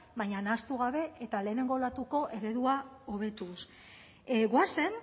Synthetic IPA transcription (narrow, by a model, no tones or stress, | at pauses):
βajɲanast̪uɣ̞aβe̞ʔet̪ale̞ːne̞ŋɡo̞lat̪uko̞ʔe̞ɾe̞ðuao̞β̞e̞t̪us | ɡwase̞n